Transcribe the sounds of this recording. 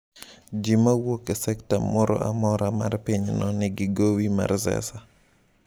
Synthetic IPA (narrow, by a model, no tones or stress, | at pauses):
d͡ʒimawokɛsɛktamɔɾɔ̰a̰mɔɾamarpɪɲnɔnɪɡɪɡowima̰rzɛ̰sa